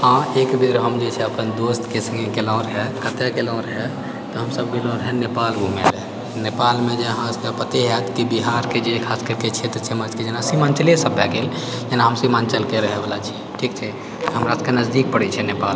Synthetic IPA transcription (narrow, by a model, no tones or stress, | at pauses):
hãekbiɾɦəmd͡ʒet͡ʃʰɛəpənd̪ost̪kesə̃ŋɡẽkelãɾɦɛkət̪ekelɔ̃ɾɦɛ | t̪ɔɦəmsəbɡilɔ̃ːɾɦɛnepalɡʱumḛle | nepalmẽd͡ʒeɦãskepət̪eɦɛt̪kibiɦaɾked͡ʒekʰaskəɾket͡ʃʰɛt̪ɔɾt͡ʃʰɛmət͡ʃked͡ʒenasimant͡ʃəlesəbʱjakel | d͡ʒenaɦəmsimant͡ʃəlkeɾəɦɛbalat͡ʃʰi | ʈʰikt͡ʃʰɛ | ɦəmɾaskenəzd̪ik̚pəɽɛt͡ʃʰɛnepal